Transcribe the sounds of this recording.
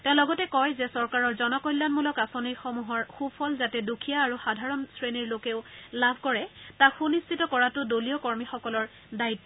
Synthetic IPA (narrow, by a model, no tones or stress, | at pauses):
tɛ̃ʊ̃lɔɡɔtɛkɔjzɛsɔɹkaɹɔɹzɔnɔkɔjlːanmulɔkasonijxɔmuɦɔɹxupʰɔlzatɛdukʰijaːɹuxadʱaɹɔnsɹeniɹlokɛʊlabʱkɔɹɛtakxunistʰitɔkɔɹatʊdoliɔkɔɹmixɔkɔlɔɹ | daitːɔ